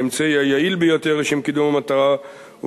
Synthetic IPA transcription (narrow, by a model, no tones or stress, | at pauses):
emt͡sejajailbejo̞t̪e̞ʁleʃemkid̪umamat̪aʁa | u